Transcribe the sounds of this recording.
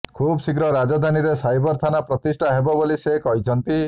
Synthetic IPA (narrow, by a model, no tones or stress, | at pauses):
kʰubsikɾɔɾad͡ʒɔd̪ʱaniɾesajbɔɾt̪ʰanapɾɔt̪isʈʰaɦebɔbolisekɔɦit͡ʃʰɔnt̪i